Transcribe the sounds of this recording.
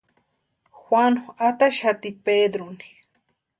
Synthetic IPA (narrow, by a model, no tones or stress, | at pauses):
xwanoat̪aʃat̪iped̪ɾoni̥